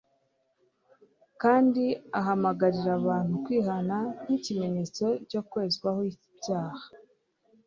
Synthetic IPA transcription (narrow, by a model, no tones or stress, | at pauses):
kaːndiaɦamaɡaɾiɾaβaːn̥ukwiːɦanan̥icimenit͡so̞co̞kweːzɡwahoi | bɟaːhḁ